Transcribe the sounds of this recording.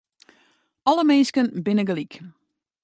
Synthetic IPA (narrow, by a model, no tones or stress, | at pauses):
ɔləmeːskənbɪnəɡəlik